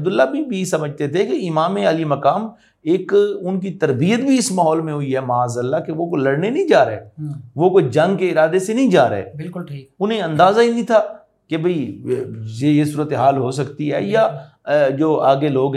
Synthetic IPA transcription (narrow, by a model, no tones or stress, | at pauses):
d̪ʊlːabʱibʱisɐməd͡ʒʱt̪et̪ʰekeɪmaːmẽɐlimɐkaːm | eːkʊnk̬it̪ɐɾbijət̪bʱiɪsmaːɦɔːlmẽɦʊiɦɛmaːzəlːakeʋokolɐɽnenɐĩd͡ʒaːɾḛːʋokod͡ʒɐ̃ŋɡkeɪɾaːd̪esenɐĩd͡ʒaːɾ̰ḛːbɪlkʊlʈʰːʊnẽɐ̃nd̪aːzaɦinĩt̪ʰaː | kebʱɐi | jejesuːɾət̪eɦaːlɦos̬ɐkt̪iɦɛ̰ːja | d͡ʒoːaːɡeloːɡɦ